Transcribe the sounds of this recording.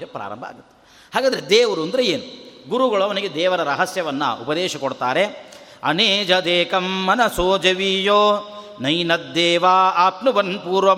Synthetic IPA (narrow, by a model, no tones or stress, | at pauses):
ɐpɾa̰ːɾɐ̰mbʱa̰ːɡut̪ːe̥ | ɦaːɡaːd̪ɐɾed̪eːʋɐɾuond̪ɾeeːnuɡuɾuɡɐɭɐʋɐniɡed̪ɛːʋɐɾɐɾɐɦɐsjɐʋɐnːɐ̰ʔṵpɐd̪ɛːʃɐkoɽt̪aːɾeɐ̰neːd͡ʒɐd̪eːkɐmːɐnɐsoːd͡ʒɐʋiːjoː | nɐjnɐd̪ːeːʋaːaːpnubɐnpuːɾʋɐ